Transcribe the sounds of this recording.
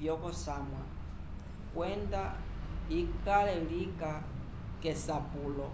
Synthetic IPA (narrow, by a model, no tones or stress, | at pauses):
jɔkɔsaːmwa̰ | kwɛndaikalɛlika | kɛsapuːlɔ